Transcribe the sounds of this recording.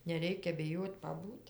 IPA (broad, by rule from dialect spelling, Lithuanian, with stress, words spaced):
nʲɛˈrʲɛɪkʲɛ bʲɪˈjoːtʲ pɐˈbuːtʲ